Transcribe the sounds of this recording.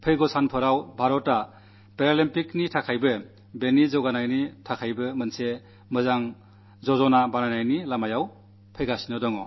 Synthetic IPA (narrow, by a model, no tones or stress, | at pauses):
pʰɯjɡɔsanpʰɯɾawbʱaɾɔtːa | peɾalimpiknitʰakʰajbɯ | benizɔɡanajnitʰakʰajbɯmɯnse | mɯzaŋ | zɔzɔnabanajnajnilamajaw | pʰɯjɡasinɔdɔŋɔ